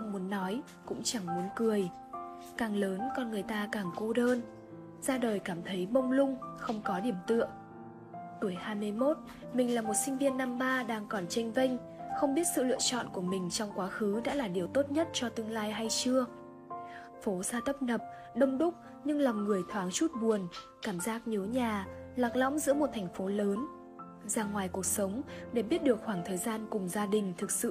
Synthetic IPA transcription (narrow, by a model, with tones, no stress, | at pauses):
ʔə˧wŋ͡mmu˨˦ənːɔ˨˦j | kʊ̰˧˥ŋ͡mt͡ɕa˧˩ŋmu˨˦nkɨ˨˩əj | kaː˨˩ŋləː˨˦nkɔ˧nŋɨ˨˩əjt̪aː˧kaː˨˩ŋku˧ɗəː˧n | z̥aː˧ɗəː˨˩jkaː˧˩mt̪ʰə˨˦jɓə˧wŋ͡mlʊ˧ŋ͡mxə˧wŋ͡mkɔ˨˦ɗi˧˩əmt̪ɨ̰˧˨əŋ | t̪u˧˩əjhaː˧jmɨ˧əjmo˦˥t̚ | mï˨˩ŋlaː˨˩mo˨˩t̚sï˧ŋ̟vi˧ənːa˧mɓaː˧ɗaː˧ŋkɔ˨˩nt͡ɕa˧jŋ̟vi˧jŋ̟ | xə˧wŋ͡mɓi˦˥ət̚sɨ̰˧˨lɨ̰˧ət͡ɕɔ̰˧˨nku˧˩əmï˨˩ŋ̟t͡ɕɔ˧wŋ͡mkwaː˨˦xɨ˨˦ɗa̰ː˧˥laː˨˩ɗi˨˩əwt̪o˦˥t̚ɲə˦˥t̚t͡ɕɔ˧t̪ɨ˧əŋlaː˧jɦa˧jt͡ɕɨ˧ə | fo˨˦zaː˧t̪ə˦˥p̚nə˨˩p̚ | ɗə˧wŋ͡mɗʊ˦˥k͡p̚ | ɲɨ˧ŋla˨˩wŋ͡mŋɨ˨˩əjt̪ʰwaː˨˦ŋt͡ɕu˦˥t̚ɓu˨˩ən | kaː˧˩mzaː˦˥k̚ɲi˨˦wɲaː˨˩ | laː˨˩k̚lɔ̰˧˥wŋ͡mzɨ̰˧˥əmo˨˩t̚t̪ʰɛ˨˩ŋ̟fo˨˦ləː˨˦n | zaː˧ŋwaː˨˩jku˨˩ək̚sə˨˦wŋ͡mɗe˧˩ɓi˦˥ət̚ɗɨ˨˩ək̚xwaː˧˩ŋt̪ʰəː˨˩jzaː˧nkʊ˨˩ŋ͡mzaː˧ɗï˨˩ŋ̟t̪ʰɨ˨˩k̚sɨ̰˧˨